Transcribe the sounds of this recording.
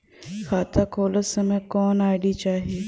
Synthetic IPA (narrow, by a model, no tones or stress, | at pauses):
xʰaːt̪ʰakʰoːləsəmẽkɔːnaːɪɽit͡ʃaːɦieː